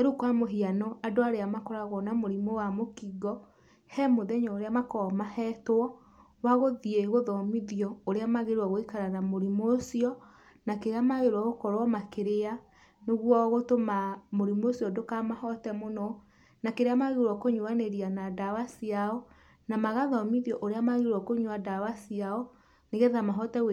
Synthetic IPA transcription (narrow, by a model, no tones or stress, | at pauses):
ɛɾukwamoɦianɔadoaɾeamakɔɾaɣɔnamoɾimowamokiɡɔ | hɛmoðɛɲɔoɾeamakɔmahɛtoɔ | waɣoðieɣoðɔmiðiɔoɾeamaɣeɾwaɣoikaɾanamoɾimoːsiɔ | nakeɾeamaɣeɾwaɣokɔɾwɔmakeɾea | neɣwɔɣotomamoɾimosiɔdokamahɔtɛmonɔ | nakeɾeamaɣeɾwɔkoɲoaneɾianadawasiaɔ | namaɣaðɔmiðiɔʔoɾeamaɣeɾwɔkoɲowadawasiaɔ | neɣeðamaɦɔtɛwe